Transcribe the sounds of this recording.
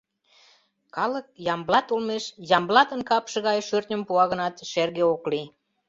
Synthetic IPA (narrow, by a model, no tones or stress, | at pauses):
kɑlək̚jɑmblɑt̪ulmeʃjɑmblɑt̪ənkɑpʃĕɣɑjʃørt̪ʲnʲə̆mpuɑɣənɑt̪ʃerɣeokli